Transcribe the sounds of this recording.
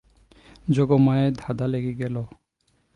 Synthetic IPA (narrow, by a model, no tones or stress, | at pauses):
d͡ʑoɡomaed̪ʱad̪aleɡiɡɛlo